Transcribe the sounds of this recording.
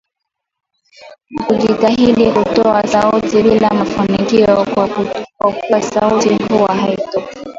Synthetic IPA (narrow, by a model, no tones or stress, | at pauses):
nakuʄitaɦilihutɔasautiɓilamafunikiɔ | kwakuwasautihuwahaitɔka